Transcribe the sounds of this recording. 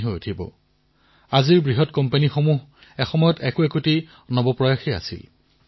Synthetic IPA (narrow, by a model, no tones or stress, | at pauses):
ɦojutʰibɔ̰ | aziɹbɹiɦɔtkɔmpanixomuɦ | ɛxɔmɔjɔtɛkʊɛkoti | nɔbɔpɹɔjaxea̰sḭl